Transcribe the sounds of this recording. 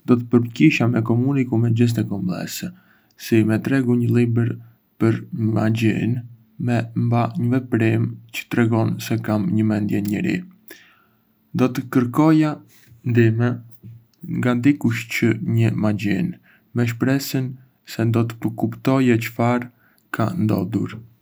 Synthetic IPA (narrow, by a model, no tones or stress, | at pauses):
nd̪ɔt̪əpəɾpciʃamɛkɔmunikumɛd͡ʑəs̬t̪ɛkɔmblˠɛ̰sɛ | simɛt̪ɾɛɡuɲəlˠibɛɾ | pəɾma̰ɟḭn | mɛmbaɲəvɛpɾimt͡ɕə̥t̪ɾɛɡɔnsɛkamɲəmɛnd̪jɛɲəɾḭ | nd̪ɔt̪əkəɾkɔja | nd̪imɛ | ŋɡand̪ikuʃcəɲəmaɟḭn | mɛʃ̬pɾɛsən | sɛnd̪ɔt̪ə̥pəkupt̪ɔjɛt͡ʃə̥faɾ | kʰa̰nd̪ɔ̰d̪ṵɾ